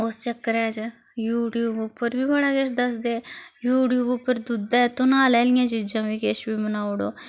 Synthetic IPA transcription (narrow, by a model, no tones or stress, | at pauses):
ost͡ʃəkːəɾɛːd͡ʒ | juːʈijuːbʊpːəɾbiːbəɽaːkɪʃd̪əsd̪eːjuːʈijuːbʊpːəɾd̪ud̪at̪onaːlɛːlɪjãːt͡ʃiːd͡ʒãːʋiːkɪʃbiːmənaːʊɽoː